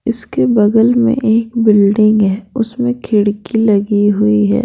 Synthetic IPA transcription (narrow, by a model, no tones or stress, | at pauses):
ɪskebɐɡ̪əlmḛ̃ʔeːkbɪlɖɪ̃ŋɡɦɛːʊsmẽkʰɪɽkilɐɡiɦʊiɦɛ̰ː